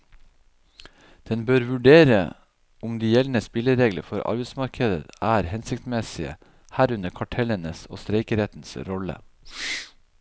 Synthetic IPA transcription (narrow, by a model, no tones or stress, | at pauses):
d̪̥ɛnbøːɾʋʉɖeːɾə̰ | ʔʊmd̪iːjɛln̩əspɪləɾeːɡlə̰fɔɾʔɑ̰ɾbɛɪsmɑɾkʰəd̪ə̰æːɾhɛnsɪkt̪mɛsɪə̰ | hæːɾʉnəkʰɑʈʰɛlənəso̰ːst̪ɾeɪkəɾɛt̪n̩sɾɔlə̰